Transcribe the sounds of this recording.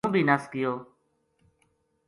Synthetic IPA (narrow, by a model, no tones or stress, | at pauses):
bʱiːnəskɪjoː